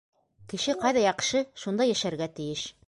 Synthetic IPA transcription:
kɘ̆ʃɘqɑjðɑjɑqʃɤʃund̪ɑjæʃæɾɡæt̪ɘ̆jɘʃ

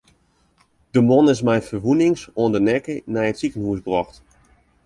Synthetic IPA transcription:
d̥əmɔnɪs̬mɛjfərʋunɪŋsoəndənɛkənɛjətsikənhuəsbrɔxt

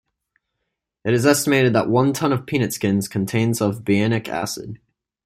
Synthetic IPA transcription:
ɨɾɨzɛstəmeɪɾɨd̪̚ðə̰ʔwʌ̃ntʰʌ̃nʌv̥pʰĩñɨtskɪ̃nz̥kʰn̩tʰẽɪ̃nzʌvbiænɨkʰæ̰sɨ̰d̥

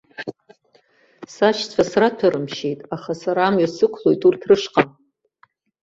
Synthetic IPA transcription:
saʃt͡sʷʰasratʰaɾɨmʃe̞jtʼaχasaɾaːmɥasɨkʷʰlo̞jtʼurtʰrɨʂqʼan

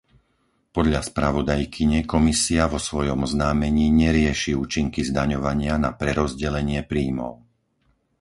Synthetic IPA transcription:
pɔd̪ʎaspɾaʋɔd̪ajkʰiɲɛkɔmisiaʋɔsʋɔjɔmɔznaːmɛɲiːɲɛɾɪɛʃiuːt͡ʃiŋkizd̪aɲɔʋaɲɪanapɾɛɾɔzɟɛlɛɲɪɛpɾiːmɔ̰ʊ

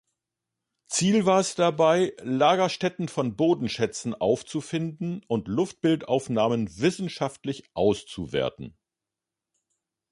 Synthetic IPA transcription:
t͡siːlvaːɐɛsd̥abaɪlaːɡɐʃtɛtn̩fɔnboːdn̩ʃɛt͡sn̩ʔaʊft͡sufɪndn̩ʔʊntlʊft̚b̥ɪltaʊfnaːmənvɪsn̩ʃaftlɪçʔaʊst͡suvḛːɐtn̩

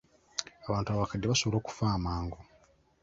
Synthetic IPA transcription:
aβaːntuaβakadːeβaso̞βolo̞ːku̥faːmaːŋɡo

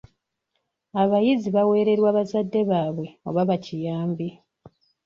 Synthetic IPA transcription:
aβajiziβawe̞ːɾe̞ɾwaːβazadːe̞βaːβwe̞o̞̰βaβacijaːmbi

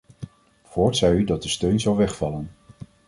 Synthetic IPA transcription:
v̥ʊːɹtsɛjydɑt̚dəstøɥnzɑwʋɛχfɑlən

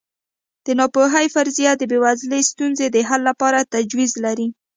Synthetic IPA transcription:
d̪̥ənɑpoɦajfaɾzijad̪əbewazləst̪unzed̪əɦalːapɑɾat̪ad͡ʒwizlaɾi

